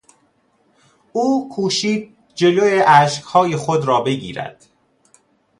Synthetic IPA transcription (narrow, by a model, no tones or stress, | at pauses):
ʔuːkʰuːʃiːd̪̚ | d͡ʒe̞lojeʔæʃkhɒːjexod̪ɾɒːbe̞ɡḭːɾæ̰d̪̥